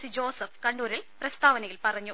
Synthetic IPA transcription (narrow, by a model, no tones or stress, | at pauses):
sid͡ʑoːsɐfkɐɳɖuːɾilprɐst̪ʰaːʋɐnɐjilpɐrɐɲːu